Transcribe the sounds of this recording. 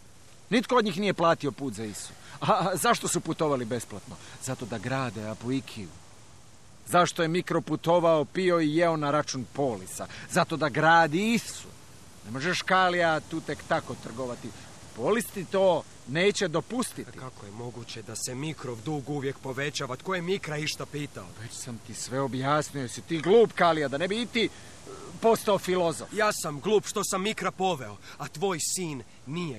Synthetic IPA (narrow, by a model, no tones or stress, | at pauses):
nit̪kood̪ɲiːxnije̞plˠaːt̪io̞puːt̪zaisu̥ | azaʃt̪o̞suput̪o̞ʋalibesplat̪no̞zat̪o̞d̪aɡɾaːd̪eapoikʰiṵ | zaʃt̪o̞je̞mikɾoput̪o̞ʋaopio̞ijeonaɾat͡ʃunpo̞ːlisa̰zat̪o̞d̪aɡɾaːd̪iisṵ | nemo̞ʒeʃkaːliat̪uːt̪e̞kt̪akot̪r̩ɡoʋat̪i | polist̪it̪oː | ne̞ːt͡ɕe̞d̪opust̪it̪ikakojemo̞ɡut͡ɕed̪asemikɾoʋd̪uːɡuʋjekpo̞ʋet͡ɕaːʋat̪kojemikɾaiʃt̪apiːt̪aoʋet͡ɕsamt̪isʋe̞o̞bjaːsnijojesit̪iːɡluːpkalijad̪ane̞biit̪iː | po̞st̪aofilo̞zo̰fjaːsamɡlˠuːpʃt̪o̞samːikɾapo̞ʋeoat̪ʋo̞ːjsiːnː | ije